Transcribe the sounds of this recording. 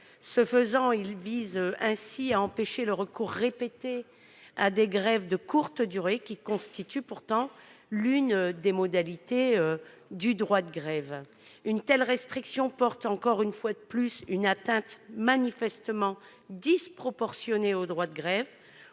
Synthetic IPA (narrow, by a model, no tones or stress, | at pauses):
səfəzɑ̃ilvizɛ̃siaɑ̃peʃeləʁəkuʁːepet̪e | ad̪eɡʁɛvd̪əkuʁt̪əd̪yʁekʲikɔ̃st̪it̪ypuʁt̪ɑ̃lynd̪emɔd̪alit̪eø | d̪yd̪ʁwad̪əɡʁɛv | ynt̪ɛlʁɛst̪χiksjɔ̃pɔʁt̪ɑ̃kɔʁynfwad̪əplysynat̪ɛ̃t̪manifɛst̪əmɑ̃ | d̪ispχɔpɔʁsjɔneod̪ʁwad̪əɡʁɛv